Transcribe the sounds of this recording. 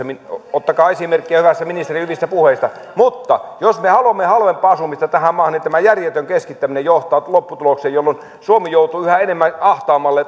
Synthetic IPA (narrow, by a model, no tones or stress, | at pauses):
miot̪ːɑkɑːesimerkːiæhyʋæst̪æminist̪erihyʋist̪æpuheist̪ɑ | mut̪ːɑjosmehɑluoɑmːehɑlʋempˑːɑːɑsumist̪ɑt̪æhæmmɑːhɑnint̪æmæjærjet̪øŋkeskit̪ːæminejoht̪ˑɑːlopːut̪ulokseːjjolːon | suomijout̪uːyhæenemːænɑht̪ɑːmɑlːe